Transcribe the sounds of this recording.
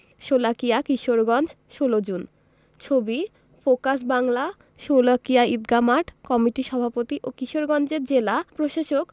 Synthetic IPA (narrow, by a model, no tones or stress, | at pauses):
ʃolakijakiʃoɾɡɔnd͡ʑ | ʃolod͡ʑun | t͡ɕʰobi | fokas̬baŋla | ʃolakijaid̪̚ɡamaʈkɔmiʈiʃɔbʱapot̪iʔokiʃoɾɡɔnd͡ʑeɾd͡ʑelapɾoʃaʃok